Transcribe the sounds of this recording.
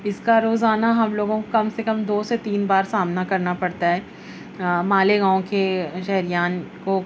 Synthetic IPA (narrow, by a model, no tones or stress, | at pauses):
ɪskaɾoːzaːnaɦɐmloːɡõkokɐmsekɐmd̪oːset̪iːnbaːɾsaːmnakɐɾnapɐɽt̪aɦɛː | maːleɡãːõkeʃɛɦɾijaːnko